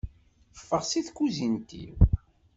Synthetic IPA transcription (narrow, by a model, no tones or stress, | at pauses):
əfːəʁsiθkːuzint̪ḭw